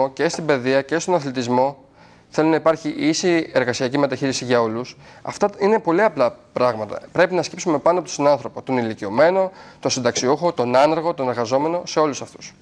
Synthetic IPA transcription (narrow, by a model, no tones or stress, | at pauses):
ocest̪imbe̞ðiɐcest̪onɐθlit̪izmo̞ | θelunɐipɐɾçiʔisie̞ɾɣɐsiɐcime̞t̪ɐçiɾisiʝɐo̞lusɐ̰ft̪ɐine̞po̞liɐplɐpɾɐɣmɐt̪ɐ̰pɾe̞pinɐscipsume̞pɐnoɐpot̪sinɐnθɾo̞pot̪o̞nilicio̞me̞no̞t̪o̞sind̪ɐksiuxo̞t̪o̞nɐnɐɾɣo̞t̪o̞ne̞ɾɣɐzo̞me̞no̞se̞o̞lusɐft̪u̥s